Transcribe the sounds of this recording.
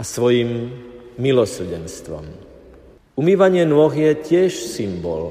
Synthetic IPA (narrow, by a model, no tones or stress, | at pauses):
asʋɔjimː | ilɔsr̩ɟɛnst̪ʋɔ̰m | umiːʋaɲɪɛnʊɔɣjɛcɪɛʃsimbɔ̰l